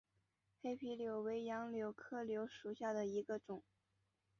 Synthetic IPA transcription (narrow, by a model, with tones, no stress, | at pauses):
xe˥ɪpʰi˧˥ljo˧˩ʊwe˧˥ɪjɑ˧˥ŋljo˧˥ʊkʰɤ˥˩ljo˧˥ʊʂu˨˩ɕja˥˩d̪ə˩i˧˥ɡə˧ʈ͡ʂʊ˨˩˦ŋ